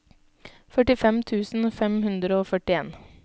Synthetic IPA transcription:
fœʈɪfɛmt̪ʰʉːsn̩fɛmhʉnd̪ɾəoːfœʈɪeːn

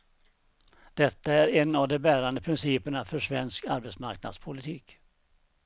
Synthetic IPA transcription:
d̪̥ɛt̪ːaæɾɛnːavd̪ɔbæːɾand̪əpʰɾɪnsiːpəɳafœʂvɛnskaɾbɛt̪sma̰ɾkna̰d̪spʰʊlɪt̪ʰiːk

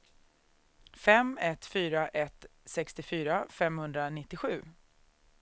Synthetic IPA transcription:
fɛmɛt̪fyːɾaʔɛt̪sɛkst̪ɪfyːɾafɛmhɵnd̪ɾanɪt̪ːɪɧʉ̟ː

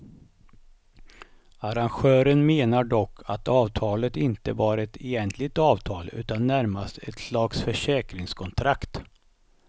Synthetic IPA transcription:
aɾanɧœːɾənmeːnaɖɔkʰːa̰t̪ɑːvt̪ʰɑːlət̪ɪnt̪əbɑːɾɛt̪ʰɛjɛnt̪ʰlɪɡ̚t̪ɑːvt̪ʰɑːlʉ̟̰ːt̪anːæɾmast̪ʰɛ̰t̪slaksfœʂɛːkɾɪŋskʰɔnt̪ʰɾakt̪

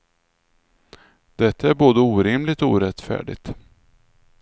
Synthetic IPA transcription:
d̪̥ɛt̪ʰːaæɾboːd̪əuːɾɪmlɪɡt̪ɔṵːɾɛt̪ːfæ̰ːɖɪ̰ɡt̪

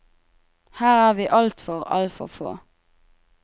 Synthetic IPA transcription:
hæːʁæːʁʋiːʔɑlt̪fɔʁɑ̰lfɔ̰fo̰ː

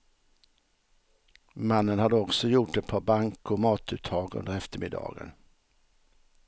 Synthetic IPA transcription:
manːənhad̪ːəɔksɔjʊʈːɛt̪̚pʰɑːbaŋkɔmɑːt̪ʉ̟ːt̪ʰːɑːɡɵ̰nd̪əɾɛft̪əɾmɪd̪ɑ̰ːɡə̰n

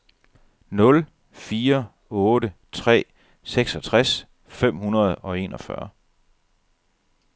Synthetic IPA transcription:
nɔ̽l | fiːɐ | ɔ̽ːɾət͡sʰʁɛ̰ː | seɡ̥sɒ̽t͡sʰʁas | fem̰hunɐð̞̩ˠɒ̽e̝ːnɒ̽fɶ̰ɐ

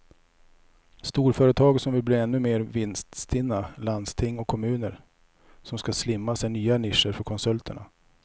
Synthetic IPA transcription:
st̪uːɾfœːɾət̪ʰɑːɡsɔmvɪlbliɾɛnːɵmeːɾvɪnst̪st̪ʰɪnːaland̪st̪ʰɪŋːɔkʰːɔmʉ̟ːnəɾ | sɔmskaslɪmːasɛnyːanɪʂəɾfœɾkʰɔnsɵlt̪ʰəɳa̰

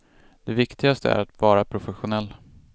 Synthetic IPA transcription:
d̪̥ɛvɪkt̪ɪɡast̪ʰə̰æ̰ɾat̪vɑːɾapʰɾʊfɛɧʊnɛlː

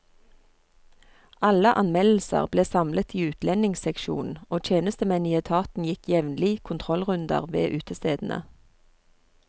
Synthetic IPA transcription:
ɑləʔɑnmɛll̩sə̰ʁbleːsɑmlət̪ʰiːʉːt̪ʰlɛnɪŋsɛkʃṵːnn̩oːt̪ʰjeːnəst̪əmɛnɪəːt̪ʰɑːt̪n̩jɪkjɛʋnlɪkʰʊnt̪ʰʁɔlʁʉnd̪ə̰ʁʋḛːʔʉːt̪ʰəst̪eːd̪n̩ʔə̰

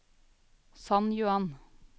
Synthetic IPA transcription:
sɑnjʊɑn

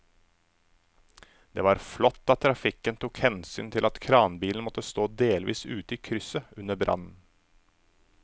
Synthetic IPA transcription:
d̪̥ḛːʋɑːɾflɔt̪ːɑt̪ʰːɾɑfɪkənt̪ʰuːkhɛnsy̰ːnt̪ʰɪlɑt̪kʰɾɑːnbiːln̩mɔt̪ːəst̪oːd̪eːlʋḭːsʉːt̪əiːkʰɾʏsəʉnəbɾʔɑ̰nn̩

